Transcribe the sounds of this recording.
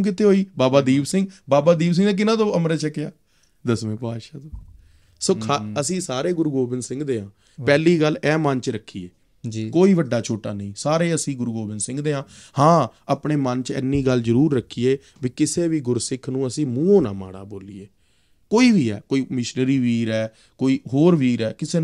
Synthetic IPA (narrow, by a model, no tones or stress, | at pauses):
ũk̬ɪt̪eːɦoːiːbaːbaːd̪iːbsɪ̃ŋɡbaːbaːd̪iːbs̬ɪ̃ŋɡnẽːk̬ɪnãːt̪õːəmɾeːt͡ʃəkːɪjaː | d̪əsʋẽːpaːʃaːt̪oː | soːkʰaəsĩːsaːɾeːɡʊɾɡoːbɪnd̪sɪ̃ŋɡd̪eːãː | pɛːliːɡəlɛːmənt͡ʃɾəkʰːiːeː | d͡ʒkoːiːʋəɖːaːt͡ʃʰoːʈa̰ːnəĩːsaːɾeːəsĩːɡʊɾɡoːbɪnsɪ̃ŋɡd̪eːãːhãːapɳeːmənt͡ʃɛ̰nːiːɡəlzəɾuːɾːəkʰːiːeː | ʋiːkɪseːʋiːɡʊɾsɪkʰnũːəsĩːmũːõːnã̰ːma̰ːɽa̰ːboːliːeː | koːiːʋiːɛ̰ːkoːiːmɪʃnɾiːʋiːɾɛː | koːiːɦoːɾʋiːɾɛːkɪseː